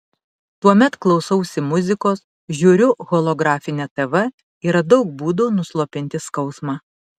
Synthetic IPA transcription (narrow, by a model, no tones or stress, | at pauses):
t̪uɔmʲɛt̪klˠɒʊsɐʊsʲɪmʊzʲɪkoːs | ʒʲuːɾʲʊɣoːlˠoːɡɾɑːfʲɪnʲɛt̪ɛʋɐ | iːɾɐd̪ɒʊk̚buːd̪oːnʊslˠoːpʲɪnʲt̪ʲɪskɒʊsmɑː